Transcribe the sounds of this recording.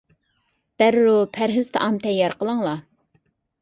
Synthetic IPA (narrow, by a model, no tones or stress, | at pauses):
d̪̥æɾɾupʰæɾɦɪz̥t̪ʰɛʔɑmt̪ʰɛjːɑɾqəlˠəŋlˠɑ